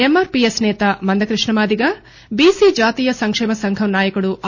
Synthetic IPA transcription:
emːaːɾpijesnɛːt̪amɐnd̪ɐkɾiʂɳɐmaːd̪iɡɐ | biːsid͡ʒaːt̪iːjɐsɐŋkʂɛːmɐsɐŋɡʱɐmnaːjɐkɐɽuʔɐ

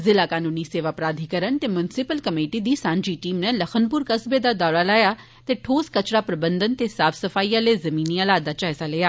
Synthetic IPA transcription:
zɪlaːkaːnuːniseːʋaːpɾaːd̪ʱikəɾənt̪eːmjʊnɪsɪpəlkəmeːʈid̪iːsãːnd͡ʒiːʈiːmneləxʰənpʊɾkəsbed̪aːd̪ɔːɽaːlaːjaː | t̪eːʈʰoːskət͡ʃɽaːpɾəbə̃nd̪ənt̪eːsaːfʰsəfaːijãleːzɐmiːnialaːd̪aːt͡ʃaːɪsaleːjaː

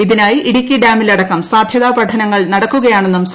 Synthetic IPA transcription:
iðinaːjiiɽikʲːiɖaːmilɐɽɐkːɐmsaːd̪ʱjɐðaːpɐʈʰɐnɐŋːɐɭnɐɽɐkːuɣɐjaːɳe̞nːums

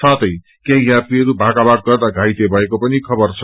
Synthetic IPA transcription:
sat̪ʌj | kẽɦĩjapiʌɾubʱakabaɡ̚ɡʌrd̪aɡʱajt̪ebʱʌekopʌnikʰʌbʌrt͡sʰʌ

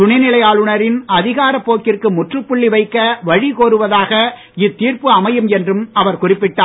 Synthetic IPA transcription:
ʊɳɐnɪlɐjaːɭɯɳɐɾɪnɐðɪɣaːɾɐpːoːkːɪrkɯmʊʈrɯpːʊɭːiʋɐɪkːɐʋɐɻikoːɾɯʋɐðaːɣɐ | ɪt̪ːiːrpɯɐmɐjɯmɛndrɯmɐʋɐɾkʊrɪpːɪʈːaː

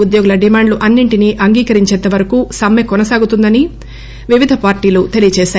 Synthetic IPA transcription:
ud̪joːɡulɐɖimaːɳɖluʔɐnːiɳʈiniʔɐŋɡiːkɐɾiɲt͡ʃɛd̪ːɐʋɐɾɐkusɐmːekɔnɐsaːɡut̪und̪ɐni | ʋiʋid̪ʱɐpaːɾʈiːlut̪e̞lijɐt͡ʃɛːʃaː

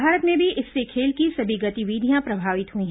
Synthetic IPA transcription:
aːɾət̪mẽbʱiʔɪsːekʰeːlkisɐbʱiɡɐt̪iʋiːd̪ʱijãpɾɐbʱaːʋɪt̪ɦuĩɦ

